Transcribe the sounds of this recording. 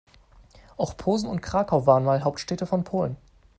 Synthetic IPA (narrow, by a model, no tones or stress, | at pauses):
ʔaʊxpʰoːzn̩ʊntkʁ̥aːkʰaʊvaːʁənmaːlɦaʊp̚tʃtɛːtəfɔnpʰoːlən